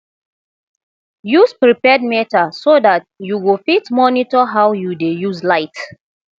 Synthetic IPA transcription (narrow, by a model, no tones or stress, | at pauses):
juspɹipɛd̚mɛtasodatjuɡofitmɔnitɔɦawjudejuzlaɪt